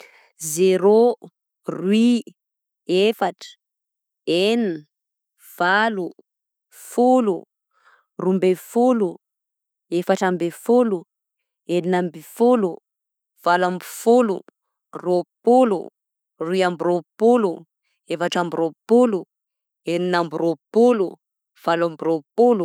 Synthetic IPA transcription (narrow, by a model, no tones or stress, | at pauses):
zeɾo | rwi | efaʈ͡ʂə̥ | en | v̥alu | fulu | rumbefulu | efaʈ͡ʂambefulu | eninambifulu | v̥alambi̥fulu | ropulṵ | riambiropulu | efaʈ͡ʂambiropulu | eninambiropulu | v̥alambiropulu